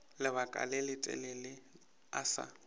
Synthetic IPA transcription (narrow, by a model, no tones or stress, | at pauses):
lɪβakʼa̰lɪlɪtʼɛ̰lɪlɪ | asa̰